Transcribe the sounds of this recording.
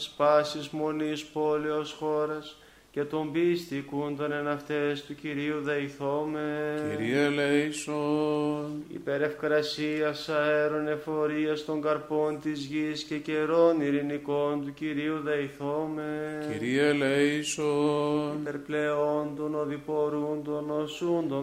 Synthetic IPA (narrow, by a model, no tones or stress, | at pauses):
spɐsizmo̞nispo̞le̞osxo̞ɾɐs | ce̞t̪o̞mbist̪ikund̪o̞ne̞nɐft̪e̞st̪uciɾiuðɐiθomeiɾiɐlejsonḭpe̞ɾe̞fkɾɐsiɐsɐeɾo̞ne̞fo̞ɾiɐst̪o̞ŋɡɐɾpo̞nt̪izʝisce̞ce̞ɾo̞niɾiniko̞nt̪uciɾiuðɐiθomeiɾiɐleisonipeɾple̞o̞nd̪o̞noðipo̞ɾund̪ono̞sund̪o